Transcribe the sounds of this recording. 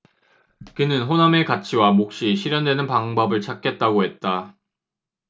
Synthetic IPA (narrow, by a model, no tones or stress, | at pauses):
kɯnɯnɸoname̞kat͡ɕʰiwamok̚ɕ͈iɕʰiɾjʌndwe̞nɯnpaŋbʌbɯɭt͡ɕʰak͈e̞t̚t͈aɡoɦe̞t̚t͈a